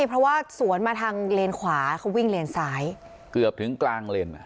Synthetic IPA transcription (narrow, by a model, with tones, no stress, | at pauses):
jpʰɾɔ˦˥waː˥˩su˩˦ənmaː˧t̪ʰaː˧ŋleː˧nkʰwaː˩˦kʰa˦˥wi˥˩ŋleː˧nsaː˩˦˥j | kɯ˨˩əp̚t̪ʰɯ˩˦ŋklaː˧ŋle˧nʔa˨˩